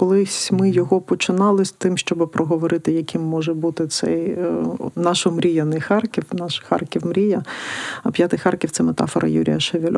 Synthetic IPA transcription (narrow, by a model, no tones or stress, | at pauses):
kɔlˠɪssʲmɪjɔɦɔpɔt͡ʃɪnɑlˠɪsʲt̪ɪmʃt͡ʃɔbɪpɾʔɔɦɔʋɔɾɪt̪ɪjɐkʲimːɔʒɛbut̪ɪt̪sɛj | nɑʃɔmɾʲijɐnɪxɑrkʲiwnɑʃxɑ̰rkʲiwmɾʲijɐɐpʲjat̪ɪxɑrkʲiwt̪sɛmet̪ɑ̰fɔɾʔɐ̰jṵɾʲijɐʃeʋʲɪlʲ